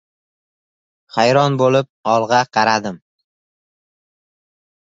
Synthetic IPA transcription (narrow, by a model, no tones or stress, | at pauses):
χajɾɒnbolɪp̚ɒlˠʁɑqʰɑɾad̪ɪm